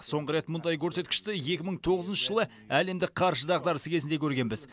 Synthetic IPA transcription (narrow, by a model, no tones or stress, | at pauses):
so̞ɴʁəɾe̞t̪mʊnd̪ɑjkʲʰɵɾse̞t̪kʲɪ̥ʃt̪ɪje̞kʲɪməɴt̪ʰo̞ʁəzənʃəʒəlˠə | æle̞md̪ɪk̚qʰɑɾʒəd̪ɑʁd̪ɑɾəsəkʲezɪnd̪e̞kʲʰɵɾɡʲe̞nbɪz